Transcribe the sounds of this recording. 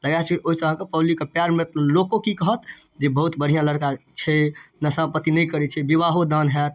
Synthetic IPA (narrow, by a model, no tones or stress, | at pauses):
ləɡat͡ʃʰɛiʔoɦisə̃ɦãkepəblikːepjaɾmet̪lokokikəɦət̪ | d͡ʒebəɦut̪bəɽ̤ijãləɽkat͡ʃʰɛnəsãpət̪inɛjkəɾɛt͡ʃʰɛbiβaɦod̪anɦɛt̪